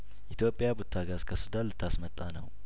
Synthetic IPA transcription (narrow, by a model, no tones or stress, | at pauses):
ʔit̪ʰjo̞pʼjabut̪ʰːaɡazkʰəsud̪anlɨt̪ʰːasmət̪ʼːanəw